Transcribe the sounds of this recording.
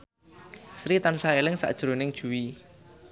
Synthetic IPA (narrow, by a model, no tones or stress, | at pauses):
sɾit̪ansaelɪŋsa̰ʔd̥ʒ̥ɾonɪŋd̥ʒ̥ṳwi